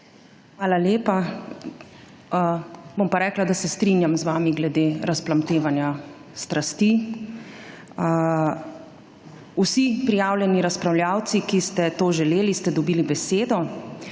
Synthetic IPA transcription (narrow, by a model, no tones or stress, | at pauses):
xʋaːlaleːpa | bompaɾɛːklad̪asɛst̪ɾinjamzʋaːmiɡlɛd̪eːɾasplamt̪eːʋanja | st̪ɾʔast̪i | usipɾijaːwljɛniɾaspɾawljaːwt̪sikist̪ɛt̪oːʒɛleːlist̪ɛd̪ɔbiːlibɛseːd̪ɔ